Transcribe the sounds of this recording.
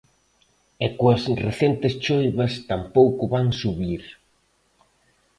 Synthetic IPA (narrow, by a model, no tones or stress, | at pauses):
ɛkuɐsreθent̪ɪst͡ʃojβɐst̪ampowkʊβaŋsuβiɾ